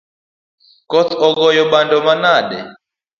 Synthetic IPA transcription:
kɔtʰɔɡɔjɔɓandɔmanaɗɛ̰

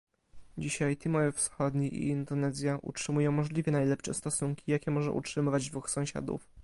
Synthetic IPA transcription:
d͡ʑiɕajt̪imɔjɛfsxɔd̪ɲiʔḭind̪ɔnɛzʲjaʔṵtʂɘmujɔ̃w̃mɔʐlʲivʲjɛnajlɛpʂɛst̪ɔsuŋkʲijakʲɛmɔʐɛ̰ʔṵtʂɘmɘvad͡ʑd̪vuxsɔ̃w̃ɕa̰d̪ṵf

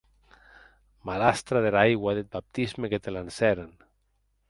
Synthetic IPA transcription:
malast̪ɾaðelajɣwaðet̪̚bap̚t̪izmeket̪elansɛɾan

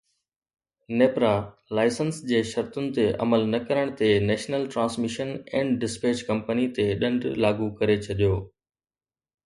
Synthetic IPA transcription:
neːpɾa | laːɪsənsd͡ʑeːʃɐɾt̪ʊnɪ̆t̪eʔɐ̰məlnɐkɐɾəɽ̃t̪enɛːʃnəlʈɾãːnsmɪʃənɛ̃ːɳɖɪspeːt͡ɕkɐ̃mpənit̪eɗɐ̃ɳɖlaːɡukɐɾet͡ɕʰɐɗijoː

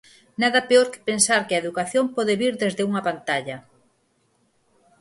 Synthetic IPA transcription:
naðɐpeoɾkɪ̥pensaɾkɪɐeðukaθjompɔðeβiɾðezðɪuŋɐpant̪aʎɐ

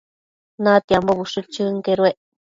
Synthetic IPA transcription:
nat̪iamboβuʂut͡ʃɨŋkeɾueʔ

